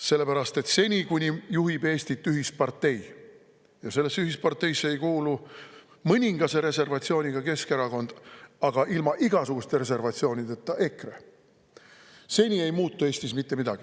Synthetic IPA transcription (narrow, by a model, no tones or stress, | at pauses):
se̞lːe̞pæɾɑst̪e̞t̪se̞nʲikunʲijuɦibe̞ːsʲt̪it̪ːˑyɦispɑrt̪ːe̞j | jɑse̞lːesːyɦispɑrt̪ːˑe̞jsːeejkuːlu | mɤnʲiŋɡ̥ɑse̞ɾe̞se̞rvɑt̪sio̞ːnʲiɡ̥ɑke̞skeɾɑko̞nd̪̥ɑɡ̥ɑʔilmɑʔiɡ̥ɑsuɡ̥ust̪e̞ɾe̞se̞rvɑt̪sio̞ːnʲid̪et̪ːˑɑʔe̞krḛ | se̞nʲie̞jmuːt̪ːˑue̞ːst̪ismit̪ːe̞mid̪ɑ̰ɡ̥i